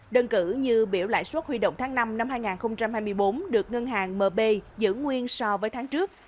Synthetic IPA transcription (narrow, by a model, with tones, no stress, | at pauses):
ɗə˧nkɨ˧˩ɲɨ˧ɓi˧˩əwla̰ː˧˨jswə˦˥t̚hwi˧ɗo̰˧˨wŋ͡mt̪aː˨˦ŋna˧mna˧mhaː˧jŋaː˨˩nxə˧wŋ͡mt͡ɕa˧mhaː˧jmɨ˧əjɓo˨˦nɗɨ˨˩ək̚ŋə˧nɦaː˨˩ŋməː˨˩ɓe˧zɨ̰˧˥ŋwi˧ənsɔ˧vəː˨˦jt̪ʰːŋt͡ɕɨ˦˥ək̚